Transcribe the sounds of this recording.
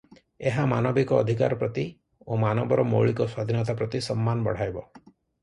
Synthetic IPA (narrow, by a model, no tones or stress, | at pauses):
eɦamanɔbikɔːd̪ʱika̰ɾɔpɾɔt̪i | omanɔbɔɾɔmo̰ɭikɔswad̪ʱinɔt̪apɾɔt̪isɔmːanɔbɔ̰ɽ̤ajbɔ